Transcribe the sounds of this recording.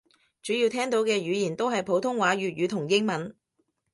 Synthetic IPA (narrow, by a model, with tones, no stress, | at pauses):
t͡ʃyː˨˥ji˧wt̪ʰɛː˥ŋt̪o˨˥wkɛː˧ɥyː˨˧jiː˨˩nt̪o˥wɦɐ˨jpʰo˨˥wt̪ʰʊ˥ŋwaː˨˥ɥyː˨t̚ɥyː˨˧t̪ʰʊ˨˩ŋjɪ˥ŋmɐ˨˥n